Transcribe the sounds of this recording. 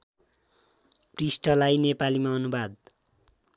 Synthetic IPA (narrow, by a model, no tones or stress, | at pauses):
prisʈʌlajnepalimaʌnubad̪̚